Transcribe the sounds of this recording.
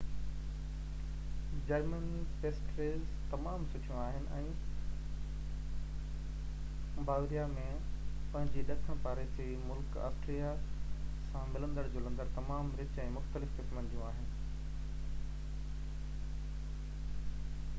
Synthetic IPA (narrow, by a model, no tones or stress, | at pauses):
d͡ʑɐɾmənipeːsʈɾeːlzt̪ɐmaːmsʊʈʰijũaːɦɪnɪ̆ʔɛ̃ː | bʱaːʋɾijamẽ | pɐ̃ɦɪ̃ɲd͡ʑiɗɐkʰəɽ̃paːɾet͡ɕeːmʊlka̰ːstɾija | sãmɪlə̃nd̪əɽd͡ʑoːlɐ̃nd̪əɽt̪ɐmaːmɾɪt͡ɕɛ̃ːmʊxt̪əlɪfkɪsmə̃nd͡ʑijũaːɦɪnɪ̆